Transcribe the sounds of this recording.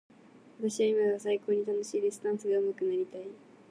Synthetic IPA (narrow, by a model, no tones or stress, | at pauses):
βat̪aɕiβaimaɡasaiko̞ːɲ̟it̪ano̞ɕiːɾʲisɨ̥t̪ãɰ̃sɨɡaɯ̟makɯ̟naɾʲit̪ai